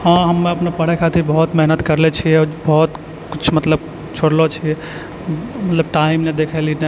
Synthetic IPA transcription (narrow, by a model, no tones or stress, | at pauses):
hãɦəmːeəpnepəɽ̤ɛkʰat̪ʰibəɦut̪mɛɦnət̪kəɾlet͡ʃʰijɛbɔɦut̪ | kit͡ʃʰmət̪ləb̚ | t͡ʃʰoɽlot͡ʃʰiɛ | mət̪ləbʈaimned̪ekʰɛline